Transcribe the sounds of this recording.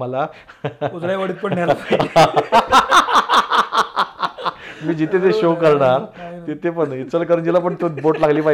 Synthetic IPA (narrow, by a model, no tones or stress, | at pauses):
məla | ut͡sɽaʋəɽiːt̪̚pəɳnjalaa | miːd͡ʑit̪ʰet̪eɕokəɾɳaɾt̪it̪ʰepəɳit̪t͡səlkəɾuːnd͡ʑilap̬əɳt̪uboʈlaɡliːpa